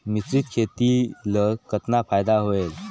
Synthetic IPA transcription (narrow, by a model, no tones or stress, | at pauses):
mit͡sɾiːt̪kʰet̪iləkət̪nafajd̪aɦoel